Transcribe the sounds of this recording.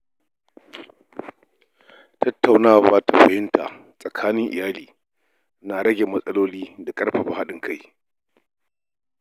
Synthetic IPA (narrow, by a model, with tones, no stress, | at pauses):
tɐ˦tːa˨wnaː˦˨waː˦ta˨ɸɐ˨jɪ˦nta̰˨ | sʼɐ˨kʰaː˦nɪ˦ŋʔɪ̰˨jaː˦liː˨ | naː˨ɽɐ˦ɡʲe˨mɐ˦sʼɐ˦loː˦liː˦da˨kʼɐ˦rɸa˨ɸa˨ha˦ɗɪ˦ŋkʰa˦˨j